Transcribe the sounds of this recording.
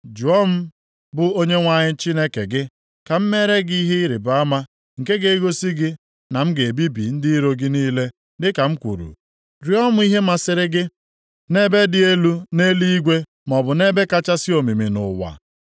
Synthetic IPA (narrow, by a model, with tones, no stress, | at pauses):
d͡ʒu˨ɔ˦m̩˦ | bʊ˨o˦ɲe˦ŋʷa˦ɲɪ˦t͡ʃi˦ne˦ke˨ɡɪ˦ | ka˨m̩˦me˦ɾe˦ɡi˦ɦe˦i˦ɾi˨ba˦ma˦ | ŋ̩˨ke˦ɡe˦i˦ɡo˦si˦ɡɪ˦ | na˨m̩˦ɡe˨bi˦bḭ˨n̩˦di˦ɾo˨ɡɪ˦niː˦le˦ | dɪ˦ka˨m̩˦kʷṵ˨ɾṵ˨ | ɾjɔ˦mʊ˦i˦ɦe˦ma˨sɪ˨ɾɪ˦ɡɪ˦ | ne˦be˦dɪ˦e˦lu˦ne˦li˦i˦ɡʷe˦ | m˨ɔ˨bʊ˨ne˦be˦ka˦t͡ʃa˦si˦o˨mi˨mi˨nʊ̰˨wa̰˨